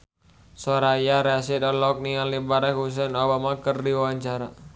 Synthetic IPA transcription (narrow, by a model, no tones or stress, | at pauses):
soɾajaɾasidɔlɔk̚niŋalibaɾakɦus̬ɛnobamakərdiwawaɲt͡ʃaɾa